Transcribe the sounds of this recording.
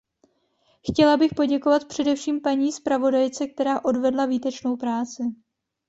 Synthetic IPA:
xcɛlabɪxpoɟɛko̞vat̪pr̥ɛdɛfʃiːmpaɲiːspɾavo̞dajt͡sɛk̚t̪ɛɾaːʔo̞dvɛdlaviːt̪ɛt͡ʃno̞wpɾaːt͡sɪ

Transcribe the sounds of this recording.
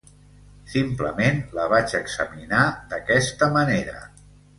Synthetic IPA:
simpləmenləβ̞at͡ʃəɡzəminad̪əkɛst̪əməneɾə̰

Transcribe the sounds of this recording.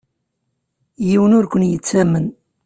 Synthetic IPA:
jiwənʊɾkʷənjət͡sːæmən

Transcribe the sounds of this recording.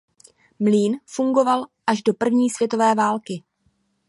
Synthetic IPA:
mliːnfuŋɡo̞valʔaʒdo̞pr̩vɲiːsvjɛt̪o̞vɛːvaːlkɪ

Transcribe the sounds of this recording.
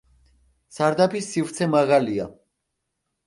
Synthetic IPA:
saɾd̪apʰisːivɾt̪sʰɛmaʁalia

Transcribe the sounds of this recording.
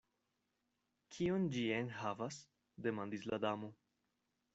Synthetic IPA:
kʰiond͡ʒienɦavas | de̞mand̪isla̰damo

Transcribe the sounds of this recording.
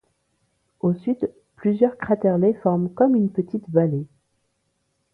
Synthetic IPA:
osɥyt̪ | plyzjœʁkχat̪ɛʁlefɔʁmkɔmynpət̪ʰit̪vale

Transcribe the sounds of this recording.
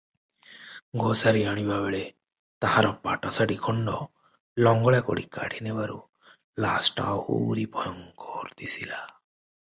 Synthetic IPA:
ɡosaɾiɾaɽ̃ibabeɭe | t̪aɦaɾɔpaʈasaɖikʰɔɳɖɔ | lɔŋɡɔɭjakɔ̰ɽḭka̰ʈʰinebaɾu | lasʈa̰hṵɾipʰɔjɔŋkɔɾd̪isila

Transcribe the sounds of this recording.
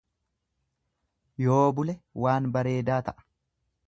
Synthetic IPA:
jo̞ːbʊlɛwaːnbɐɾe̞ːd̪aːt̪ɐʔɐ̥

